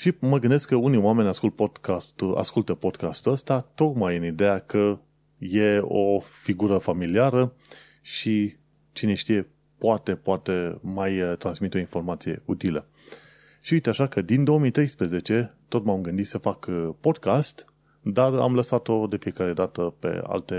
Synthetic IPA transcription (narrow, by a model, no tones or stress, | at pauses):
ʃiməɡɨnd̪e̞skːəunioame̞nʲaskult̪̚pod̪kast̪ua̰skult̪əpo̞d̪kast̪uəst̪at̪o̞kmajɨnid̪e̞akʰə | je̞o̞̰fiɡuɾəfamiliaɾə | ʃi | t͡ʃine̞ʃt̪ije̞ | poat̪e̞poat̪emajt̪ɾansmit̪eo̞info̞rmat̪sije̞̰ut̪ilə | ʃiuit̪eaʃakəd̪ind̪o̞omijt̪ɾe̞jspɾeze̞t͡ʃe̞t̪o̞t̪mamɡɨnd̪it̪səfakpo̞d̪kast̪ | d̪ara̰mləsat̪o̞d̪e̞fije̞kaɾe̞d̪at̪əpe̞̰a̰lt̪e